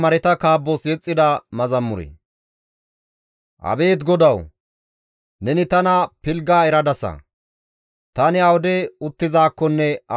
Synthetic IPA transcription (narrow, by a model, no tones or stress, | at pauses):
mɐɾɛt̪ɐkaːbːosjɛt͡sʼːɪd̪ɐmɐzɐmːʊɾɛ̰ | ʔɐ̰be̞ːt̪ɡɔd̪ɐw | nɛnɪt̪ɐnɐpɪlɡaːɛɾɐd̪ɐsɐ̰ | t̪ɐnɪɐwɔd̪ɛʊt̪ːɪzaːkːɔnːɛɐ